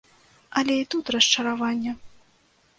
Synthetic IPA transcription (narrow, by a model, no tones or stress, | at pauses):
ɐlʲɛit̪ut̪rɐst͡ʂɐɾavanʲːɛ